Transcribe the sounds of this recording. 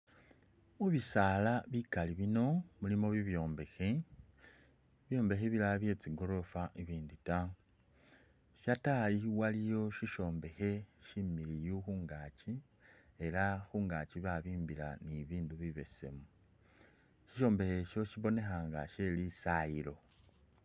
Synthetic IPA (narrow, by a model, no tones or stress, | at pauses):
uβisalaβikaliβino̞mulimo̞βiβjo̞ːmbe̞xe | βjo̞ːmbe̞xeβilaβje̞ːt͡siɡo̞ɾo̞faʔiβiːndita | ʃatajiwalijo̞ʃiʃo̞ːmbe̞xe̞ʃimilijuxuːŋɡaːt͡ʃi | e̞laxuːŋɡaːt͡ʃiβaβiːmbila̰niβiːnduβiβe̞se̞̰mu | ʃi̥ʃo̞ːmbe̞xe̞ʃo̞ʃiβo̞ne̞xaːŋɡa̰ʃelisajilo̞